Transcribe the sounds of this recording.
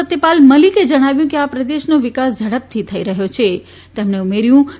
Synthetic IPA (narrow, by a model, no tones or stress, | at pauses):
ət̪ːepalməliked͡ʒəɽ̃aʋjũkeapɾəd̪eʃnoʋɪkasd͡ʒʱəɽəp̚t̪ʰit̪ʰəḭɾəɦjot͡ʃʰe | t̪emneumeɾjũ